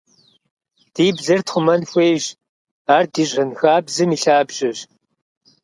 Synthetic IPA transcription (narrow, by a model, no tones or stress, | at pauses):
d̥iːbzɐrtʰχʷʊmɐnxʷeːjʑ | aːrdiːɕɐnxaːbzɨmiːɬaːbʑɪɕ